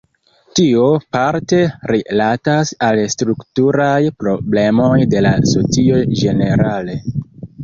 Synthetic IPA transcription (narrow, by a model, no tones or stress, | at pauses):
tio̞paɾte̞ɾilatasalstɾuktuɾajpɾo̞ble̞mo̞jde̞laso̞t͡sio̞d͡ʒe̞ne̞ɾale̞